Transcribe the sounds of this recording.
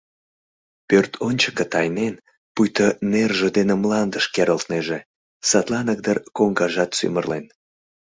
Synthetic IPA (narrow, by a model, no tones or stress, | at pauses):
pørt̪ʰonʲt͡ɕəkət̪ɑjnen | pujt̪ənerʒĕd̪enemlɑnd̪əʃkeɾəlt̪neʒe | sɑt̪lɑnək̚d̪ərkoŋɡɑʒɑt̪sy̰mərlen